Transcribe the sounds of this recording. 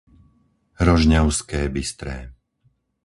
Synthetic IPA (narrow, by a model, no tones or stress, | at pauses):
ɾɔʒɲaʊskɛːbist̪ɾɛː